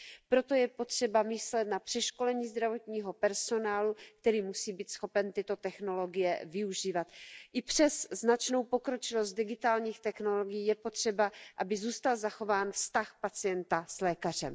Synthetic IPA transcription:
pɾo̞t̪o̞jɛpo̞t̪r̝̥ɛbamɪslɛt̪̚napr̥ɛʃko̞lɛɲiːzd̪ɾavo̞t̪ɲiːɦo̞pɛɾso̞naːluk̚t̪ɛɾiːmusiːbiːt̪sxo̞pɛnt̪ɪt̪o̞t̪ɛxno̞lo̞ɡɪjɛvɪuʒiːvat̪ʔɪpr̝̥ɛsːnat͡ʃno̞wpo̞kɾo̞t͡ʃɪlost̪̚dɪɡɪt̪aːlɲiːxt̪ɛxno̞loɡɪjiːjɛpo̞t̪r̝̥ɛbaʔabɪzuːst̪alzaxo̞vaːnfst̪axpat͡sɪjɛnt̪aslɛːkar̝ɛ̰m

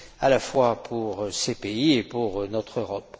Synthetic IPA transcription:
alafwapʰuʁsepeiepuʁnɔt̪χøʁɔp

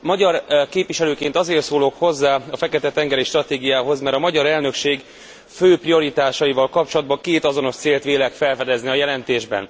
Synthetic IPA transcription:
mɒɟɒrkeːpʋiʃɛløːkeːnt̪ɒzeːrt̪soːloːkho̞zːaːɒfɛkɛt̪ɛt̪ɛŋɡɛɾiʃt̪rɒt̪eːɡijaːɦo̞zmɛɾɒmɒɟɒɾɛlnøkʃeːɡ | føːprio̞ɾit̪aːʃɒivɒlkɒp̚t͡ʃo̞lɒd̪̚bɒŋkeːt̪ɒzo̞no̞ʃt̪seːlt̪ʋeːlɛkfɛlfɛd̪ɛzniɒjɛlɛnt̪eːʒbɛ̰n

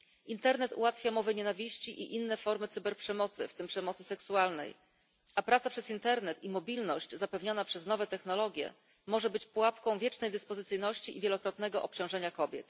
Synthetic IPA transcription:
int̪ɛɾnɛt̪ṵwat̪fʲjamɔvɘɲɛnavʲiɕt͡ɕiʔḭʔinːɛfɔɾmɘt̪sɘbɛɾpʂɛmɔt̪sɘ̰ft̪ɘmpʂɛmɔt̪sɘsɛksualnɛ̰j | apɾat̪sapʂɛzint̪ɛɾnɛt̪imɔbʲilnɔɕt͡ɕzapɛvɲanapʂɛznɔvɛt̪ɛxnɔlɔɡʲjɛ̰ | mɔʐɛbɘt͡ɕpuwapkɔ̃w̃vʲjɛt͡ʂnɛjd̪ɘspɔzɘt̪sɘjnɔɕt͡ɕiʔivʲjɛlɔkɾɔt̪̚nɛɡɔʔɔp̚t͡ɕɔ̃w̃ʐɛɲakɔbʲjɛ̰t̪

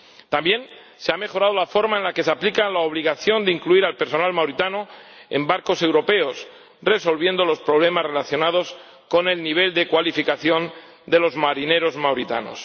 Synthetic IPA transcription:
t̪ambje̞n | seame̞xo̞ɾað̞olafo̞ɾmaenlake̞s̬eaplikalaoβ̞liɣaθjo̞nd̪eiŋkluiɾalpe̞ɾso̞nalmawɾit̪anoḛmbaɾko̞se̞wɾo̞pe̞os | re̞so̞lβ̞jẽ̞nd̪o̞lo̞spɾo̞β̞le̞mazre̞laθjo̞nað̞o̞s | ko̞ne̞lniβ̞e̞ld̪e̞kwalifikaθjo̞n | d̪e̞lo̞zmaɾine̞ɾo̞zmawɾit̪a̰no̰s

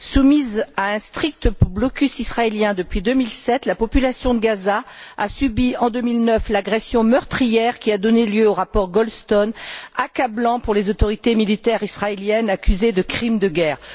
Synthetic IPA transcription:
sumizaɛ̃st̪χik̚t̪əblɔkʲysisχaeljɛ̃d̪əpɥid̪ømilsɛt̪lapɔpylasjɔ̃d̪əɡazaa̰sybiɑ̃d̪ømilnœflaɡʁɛsjɔ̃mœʁt̪χijɛʁkʲiad̪ɔneljøoʁapɔʁɡɔlst̪ɔnakablɑ̃puʁlezot̪ɔʁit̪emilit̪ɛʁisχaeljɛnakʲyzed̪əkχimd̪əɡʲɛːʁ

